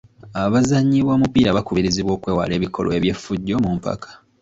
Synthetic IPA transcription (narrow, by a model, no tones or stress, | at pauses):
aβazaɲːiβwoːmupiːɾaβakuβiɾiziβwo̞ːkwe̞ːwa̰le̞ːβiko̞̰lweβje̞fuɟːo̞mumpa̰kḁ